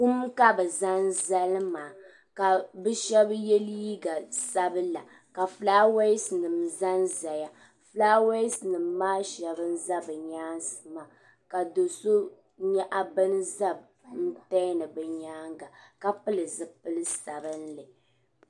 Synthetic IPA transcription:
ku˦m˦ka˦bɨ˨za˦n˦za˦lmaː˨ | ka˨bɨ˦ʃɛ˦bjɛ˦li˦ɡa˨sa˦bɨ˦la˨ | ka˨flaː˦we˦snɨ˨mza˦nza˨ja˦ | flaː˦we˦snɨ˨mːaː˦ʃɛ˨bɨ˦n̩˦za˦bɨ˨ɲaː˦nsɨ˨ma˨ | ka˨do˨so˦ | ɲɛ˦ʔa˨bɨ˦n˦za˦b | n̩˦ta˦nɨ˨bɨ˨ɲaː˦ŋɡa˨ka˦pɨ˦lɨ˨zɨ˨pɨ˦lɨ˦sa˨bɨ˦n̩˦lɨ˨

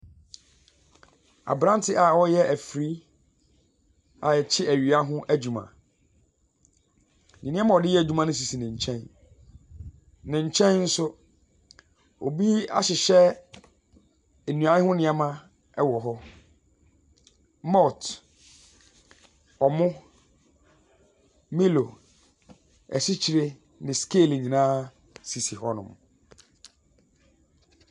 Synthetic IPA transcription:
a̰˨bɾã˦n˦tʰɪ˦ʔa˨wɔ˦jɛ˦ʔæ˨fɾi˦ | a˨ɛ˨t͡ɕʰɪ˦ʔæ˨ɥi˨a˦ɦʊ̃˦ʔæ˦d͡ʑũ˨mã̰˨ | ɲĩ˨nɪ̃˦ã˦mã˦˨ɔ˨dɪ˦jɛ˦æ˨d͡ʑᶣu˦mã˨˦nɪ̃˦s̬i˨si˨nɪ̃˨ɲ̩˨t͡ɕʰɛ̃˦n | nɪ̃˨ɲ̩˨t͡ɕʰɛ̃˦n˦n̩˦sʊ˦ | o˨bi˦a̰˦ɕɪ˨ɕɛ˦ | e˨nũ˨ã˨ɪ˦hʊ̃˦nɪ̃˨a˦mã˦ | ɛ˦wɔ˨ɦɔ˦ | mɔ˦˨t | ɔ˨mʊ̃˦ | mi˦lo˨ | ɛ̰˨si˦t͡ɕʰi˨ɾe˦ | nɪ̃˨skeː˦˨lɲĩ˨nãː˦ | si˨si˨hɔ˦nʊ̰̃˨m

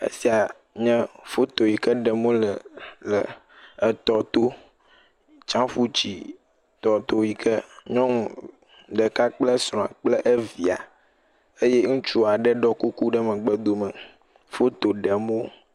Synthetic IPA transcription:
ḛ˦si˦a˨ | ɲɛ̃˦fo˦t̪o˨ji˨kə˦ɖɛ˨mõ˦lə˨lə˨ | ə˨t̪ɔ˨t̪o˦ | t͡ʃã˦fu˦t͡ɕḭ˨ | t̪ɔ˨t̪o˦ji˨kʰə˦ɲɔ̃˦ŋ˨ | ɖə˨ka˦k͡plə˦sɾ̃ɔ̃˨a̰˨k͡plə˦ʔe˦vi˨a̰˨ | e˦je˦ŋũ˦t͡ʃu˦a˨ɖə˦ɖɔ˦ku˦ku˦ɖə˦mə̃˨ɡ͡bə˦d̪o˨mə̃˨ | fo˦t̪o˨ɖɛ˨mõ˦

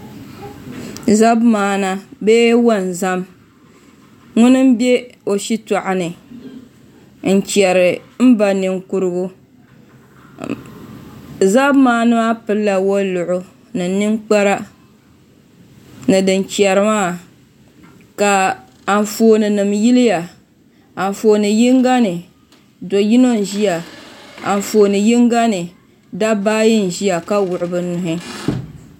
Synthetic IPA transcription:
za˦bmaː˨˦na˦beː˦wa˦˨n˨za˦m | ŋʊ˦nɨ˦m̩˦be˦o˨ʃi˦ta˨ʔa˨nɨ˨ | n̩˨t͡ʃɛ˨ɾɨ˨m̩˦ba˨nɨ˨ŋku˦ɾɨ˦ɡʊ˦ | za˦bmaː˦nɨ˦ma˦pɨ˦lːa˨wo˦lʊ˨ʔʊ˦ | nɨ˨˦nɨ˦ŋk͡pa˦ɾa˦ | nɨ˨dɨ˨nt͡ʃi˨ɛ˨ɾɨ˨maː˦˨ | ka˨ | a˨n˨foː˨nɨ˨nɨ˨mji˦lɪ˦ja˨ | a˨ɱ˨foː˨nɨ˨ji˦ŋɡa˦nɨ˨ | do˨ji˦no˦n˨ʒi˦ja˨a̰˨n˨foː˨nɨ˨ji˦ŋɡa˦nɨ˨ | da˦baː˦ji˦n̩˨ʒi˦a˨ka˦wʊ˨ʔʊ˨bɨ˦nʊ˨ɦɪ˦

